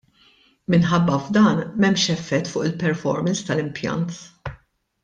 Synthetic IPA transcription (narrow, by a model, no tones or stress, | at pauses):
mɪnħɐbːɐvd̪ɐːnmɛmːʃɛfːɛt̪ːfʊːʔɪlpɛɾfɔ̰ɾmɛnst̪ɐlɪmpjɐ̰nt̪